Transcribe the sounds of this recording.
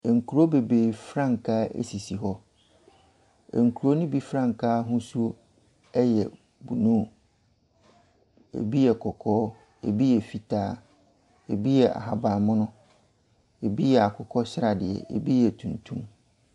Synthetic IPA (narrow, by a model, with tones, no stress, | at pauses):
e˨ŋ̩˨kʰu˨ɾo˦be˨be˨fɾã˦˨ŋ˨kʰaː˦ḛ˦si˨si˨ɦɔ˦˨ | ŋ̩˨kʰu˨ɾo˦nʊ̃˦bi˦fɾã˦˨ŋ̩˨kʰaː˦ɦʊ̃˦su˦o˦ | ɛ˦jɛ˨ | bu˨nũ˦˨ | ḛ˨bi˦jɛ˨kʰɔ˨kʰɔː˦ | ḛ˨bi˦jɛ˨fi˨tʰaː˦ | ḛ˨bi˦jɛ˨a̰˨ɦa˨bã˨mʊ̃˦nʊ̃˦ | e˨bi˦jɛ˨a˨kʰʊ˨kʰɔ˦ɕɪ˦ɾa˨dɪ˨ɛ̰˨ʔḛ˨bi˦jɛ˨tʰũ˨ntʰũ˦m